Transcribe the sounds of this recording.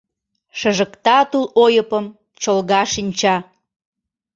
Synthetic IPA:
ʃəʒə̆kt̪ɑt̪ulojəpəm | t͡ɕolɣɑʃinʲt͡ɕɑ

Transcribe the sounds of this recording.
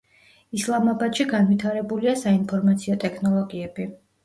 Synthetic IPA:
islˠamabad̪ʃiɡanvit̪ʰaɾɛbuliasainpʰɔɾmat̪sʰiɔt̪ʼɛkʰnɔlˠɔɡiɛbi

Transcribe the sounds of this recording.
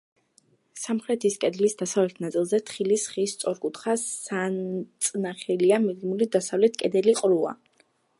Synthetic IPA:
samχɾɛt̪ʰiskʼɛd̪lisd̪asavlɛt̪ʰnat̪sʼilˠzɛt̪ʰχilisχist̪sʼɔɾkʼut̪ʰχasːant̪sʼnaχɛliamidmulid̪asavlɛt̪̚ʰkʼɛd̪ɛliqʼɾua̰

